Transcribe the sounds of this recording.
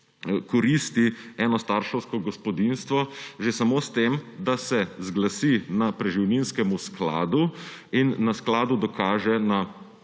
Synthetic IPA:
kɔɾist̪iɛːnɔst̪aɾʃɔwskɔɡɔspɔd̪inst̪ʋɔʒesamost̪emd̪asɛzɡlasinapɾɛʒiwninskɛmuskla̰ːd̪uinːasklaːd̪ud̪ɔkaːʒɛna

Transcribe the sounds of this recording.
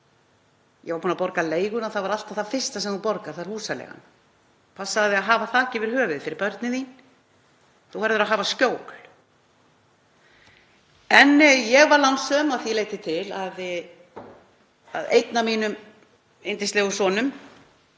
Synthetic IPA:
jɛvaɾpuːnapɔɾkaleːjɣʏnaθavaɾal̥t̪ḁθafɪr̥st̪asɛmapɔɾkaɾ̥θaɾhuːsalɛ̰ɣa̰n | pʰasːaðɪaðɦaːvaθʰaːcɪvɪɾ̥hœːvɪðfɪɾɪɾpœɾt̪nɪðin | θuhɛɾðʏɾaɦaːvascoːwkl̥ | ɛnjɛɣvaɾlansœmaθiɛleːjt̪ɪt̪ʰɪlað | a̰ðḛjt̪namiːnʏm | ejnt̪ɪst̪ɛɣʏsɔːnʏm

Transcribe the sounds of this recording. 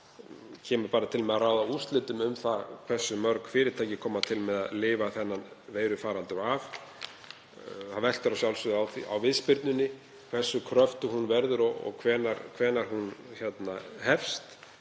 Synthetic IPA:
cʰɛːmʏɾpaːɾat̪ʰɪlmɛðaɾaːwðaust̪lɪt̪ʏmʏmθakʰv̥ɛ̥sːʏmœɾkfɪːɾɪɾt̪ʰaːjcɪkʰɔːmat̪ʰɪlmɛða̰ðlɪːvaθɛnːanveːjɾʏfaːɾant̪ʏɾav | θavɛl̥t̪ʏɾawsjawlsʏðawθḭa̰wvɪðspɪɾt̪nʏnːɪ | kʰv̥ɛr̥sːʏkʰɾœft̪ʏhunvɛɾðʏɾɔɣɔ̰ɣkʰvɛːnaɾkʰvɛːnaɾ̥hunçɛt̪nahɛfst̪

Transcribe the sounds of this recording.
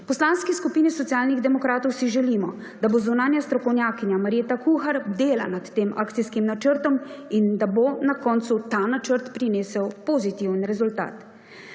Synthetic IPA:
pɔslaːnskɛskupiːnisɔt̪sijaːlniɣd̪ɛmɔkɾaːt̪ɔwsiʒɛliːmɔ | d̪abozunaːnjast̪ɾɔkɔwnjaːkiɲjamaɾjeːt̪akuxaɾd̪eːla̰nat̪ːeːmʔa̰ːkt̪sijskimnat͡ʃəɾt̪ɔmind̪abonakɔːnt̪sut̪aːnat͡ʃəɾt̪pɾineːsəwpɔzit̪iwənɾɛzult̪a̰ːt̪

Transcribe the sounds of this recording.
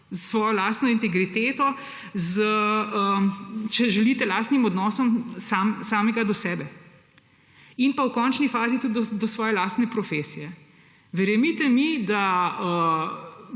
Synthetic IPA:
zsʋɔːjɔlaːst̪nɔint̪ɛɡɾit̪eːt̪ɔ | zəət͡ʃɛʒɛlit̪ɛlaːst̪nimɔd̪nɔːsɔmsaːmsaːmɛɡad̪ɔsɛːbɛ | inpawkɔːnt͡ʃnifaːzit̪ud̪d̪ɔsʋɔːjɛlaːst̪nɛpɾɔfeːsijɛ | ʋɛɾjɛmit̪ɛmid̪aə

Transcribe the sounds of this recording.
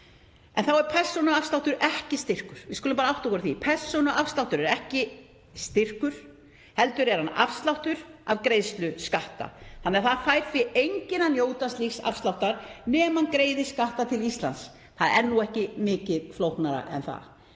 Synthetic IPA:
ɛnθawɛɾ̥pʰɛr̥sɔnʏafst̪awht̪ʏɾʔɛhcɪst̪ɪr̥kʏɾ̥vɪskølʏmpaːɾaawht̪aɔkɔɾθipʰɛr̥sɔnʏʔafst̪lawht̪ʏɾɛɾɛhcɪ | st̪ɪr̥kʏɾ̥ | hɛlt̪ʏɾɛɾ̥hana̰fst̪lawht̪ʏɾ̥avkɾejðst̪lʏskaht̪a̰hanːɛɾθaðfajɾ̥fɪejɲcɪnanjoːwt̪aslixsa̰fst̪lawht̪aɾnɛːmankɾeːjðɪskaht̪at̪ʰɪlist̪la̰ns | θaðɛɾɛnːuɛhcɪmɪːcɪðflowhknaɾa̰ʔɛ̰nθa̰ð

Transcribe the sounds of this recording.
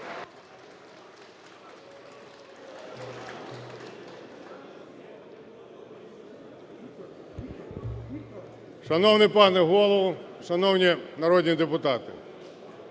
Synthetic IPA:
ʃɐnɔwnɪpɑnɛɦɔlˠɔʋʊʃɐnɔwnʲinɐɾɔdʲnʲid̪epʊt̪ɑt̪ɪ̰

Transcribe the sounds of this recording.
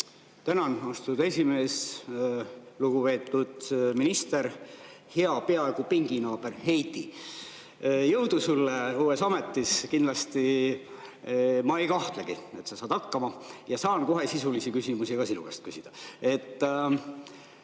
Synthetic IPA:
t̪ænɑnost̪ud̪̥e̞sʲime̞ːs | luɡ̥upe̞ːt̪ːˑud̪̥minist̪e̞r | heɑpe̞ɑe̞ɡupiŋɡ̥inɑːb̥e̞rhe̞jt̪i | jɤ̞wd̪usulːeuːe̞sɑme̞t̪ːiskind̪lɑst̪i | mɑejkɑht̪leɡ̥ie̞̰t̪sɑsɑːd̪̥ɑkːɑmɑjɑsɑːnko̞ɦe̞sisulisikysimusiɡ̥ɑsinṵkest̪̚kysid̪̥ɑe̞t̪ː

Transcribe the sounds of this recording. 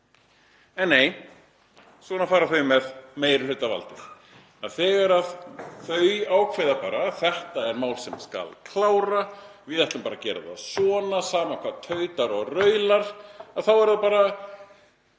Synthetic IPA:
ɛnːeːj | sɔːnafaːɾaθœjmɛðmeːjɾlʏɥt̪ava̰lt̪ɪθ | aðθɛɣaɾaðθœɥawkʰvɛjðapaːɾaθɛht̪aɛɾmaːwlsɛmska̰lkʰlaːwɾavɪðɛht̪lʏmpaːɾacɛːɾɪ̰ða̰sɔːnasaːmakʰvaːðt̪ʰœːɥt̪aɾɔɣrœːɥlaɾ̥aðθawɛɾðapaːɾa

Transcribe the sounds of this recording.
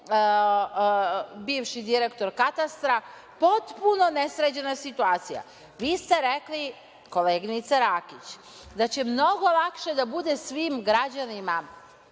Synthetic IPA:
biːʋʃid̪iɾekt̪o̞ɾkat̪ast̪ɾa | po̞t̪puno̞ne̞sɾed͡ʑe̞nasit̪uaːt̪sija̰ | ʋiːst̪e̞ɾekli | ko̞leːɡinit̪saɾakit͡ɕ | d̪at͡ɕe̞mno̞ɡo̞lˠakʃe̞d̪abud̪e̞sʋiːmɡɾad͡ʑanima

